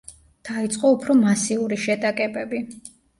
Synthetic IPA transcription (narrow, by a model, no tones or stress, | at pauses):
d̪̥ait̪sʼqʼɔupʰɾɔmasiuɾiʃɛt̪ʼakʼɛbɛbi